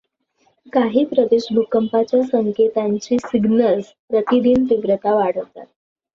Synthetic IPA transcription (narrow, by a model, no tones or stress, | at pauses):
kaɦiːpɾəd̪eɕɖʱukəmpat͡ɕjasəŋket̪aɲt͡ɕiːsiɡnəld͡z | pɾət̪id̪iːnt̪iʋɾət̪aʋaɽ̤əʋt̪a̰t̪̚